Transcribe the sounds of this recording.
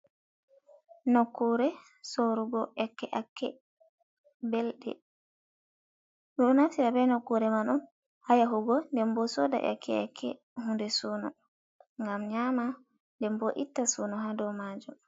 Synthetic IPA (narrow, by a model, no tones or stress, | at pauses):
nokːuɾɛ | soɾuɡɔʔɛkːɛʔakːɛ | bɛlɗɛ̰ | ɗɔnatiɾabɛnɔkːuɾɛmanun | hajaɦuɡɔndɛmbɔsɔda̰ʔɛ̰kʰːɛ̰a̰kʰːɛ̰ | hundɛsuːnɔ | ŋɡamɲama | ndɛmbɔʔitːasunɔɦadɔwmaːd͡ʒum